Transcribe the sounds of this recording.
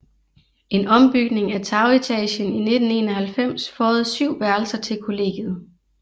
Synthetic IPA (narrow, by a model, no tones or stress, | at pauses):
e̝nɒ̽mb̥yɡ̥ne̝ŋæt͡sʰɑ̈ʊit͡sʰɛ̰ɕənine̝d̥n̩e̝ːnɒhælfem̰sfɒːð̞̩ˠsyʊ̰ʋæɐlsɐt͡sʰe̝lkʰo̝le̝̰ːɡ̥ð̩ˠ